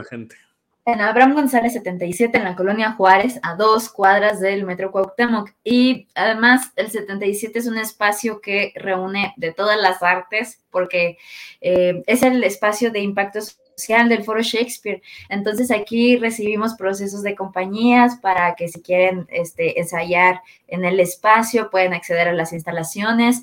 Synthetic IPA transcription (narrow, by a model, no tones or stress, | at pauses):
ent̪e̥ | enaβɾamɡo̞nsalesːe̞t̪e̞nt̪ajsje̞t̪e̞ːnlako̞lo̞njaxwaɾe̞saðo̞skwað̞ɾazðe̞lmet̪ɾokwawkt̪anokiaðe̞mase̞lse̞t̪e̞nt̪ajsje̞t̪ees̬unespasjo̞ke̞re̞une̞ðe̞t̪o̞ðazlasaɾt̪e̞spo̞ɾke̞ee̞se̞lespasjo̞ðe̞impak̚t̪o̞s | osjald̪e̞lfo̞ɾo̞ʃekspiɾent̪o̞ns̬e̞sakire̞siβ̞imo̞spɾo̞se̞s̬o̞zðe̞ko̞mpaɲiaspaɾake̞sikje̞ɾe̞nḛst̪e̞ʔensaʝaɾ | e̞ne̞le̞spasjo̞pwe̞ðenakse̞ð̞e̞ɾalasinst̪alasjo̞ne̞s